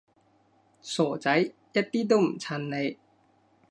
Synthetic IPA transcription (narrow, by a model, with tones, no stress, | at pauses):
sɔː˨˩t͡sɐ˨˦˥jjɐ˦˥t̚t̪iː˥t̪o˥˩˨m̩˨˩t͡sʰa˧nle˧j